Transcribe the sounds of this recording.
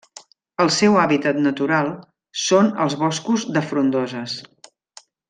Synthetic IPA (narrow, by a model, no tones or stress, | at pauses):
əlˠsɛwaβit̪ət̪nət̪uɾalˠ | sonəlˠzβɔskuzd̪əfɾund̪ɔzəs